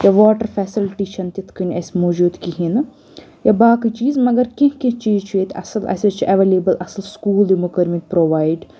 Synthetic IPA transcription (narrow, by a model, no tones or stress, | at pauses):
jɐʋɔːʈɐɾfɛsilʈiʃʰɐnt̪it̪ʰkɐnesmoːd͡ʒuːd̪kiɦinɨ | jɐbaːkɨt͡ʃiːzmɐɡɐɾkikit͡ʃiːzt͡ʃʰuet̪ʰɐ̰sɐlʔɐ̰sɐt͡ʃʔɐʋeːleːbɨlʔɐsɨlskuːld̪imukɐɾmit̪pɾoʋaːjɖ